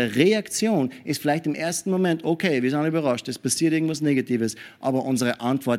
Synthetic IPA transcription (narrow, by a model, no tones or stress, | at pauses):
əʁeakt͡sjoːnɪstfɪlaɪçtɪmʔeːɐstn̩momɛntʰokʰeːviːɐsaɪnyːbɐʁɑʃtɛspasiːɐtɪɐŋ̩tv̥as̬neːɡatʰiːvəsʔɑːbɐʔʊnzəʁəʔantv̥ɔɐt